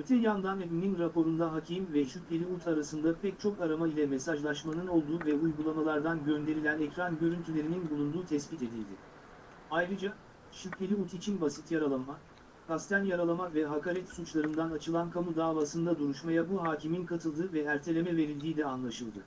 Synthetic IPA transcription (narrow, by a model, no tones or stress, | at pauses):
øt̪ʰɛjand̪anevininɾapo̞ɾund̪aɦacʰimvɛʃycʲlʲe̞lʲiut̪ʰaɾasɯnd̪apʰɛc̚ʲt͡ʃʰo̞kaɾamailʲɛmesaʒlˠaʃmanɯno̞lˠd̪uːvɛujɡulˠamalˠaɾd̪anɟø̞nd̪e̞ɾilʲænɛcɾanɟø̞ɾynt̪ʰylʲe̞ɾininbulˠund̪uːt̪ʰɛsbit̪e̞d̪ḭlʲd̪ɪ | ajɾɯd͡ʒa | ʃycʲlʲe̞lʲiut̪ʰit͡ʃʰinbasit̪jaɾalˠama | kʰast̪anjaɾalˠamavɛɦakaɾɛt̪sut͡ʃlˠaɾɯnd̪anat͡ʃʰɯlˠankʰamud̪aːvaːsɯnd̪ad̪uɾuʃmajabuɦaːciminkʰat̪ʰɯlˠd̪ɯvɛæɾt̪ʰe̞lʲe̞mɛve̞ɾilʲd̪iːd̪ʲɛanlˠaʃɯlˠd̪ɯ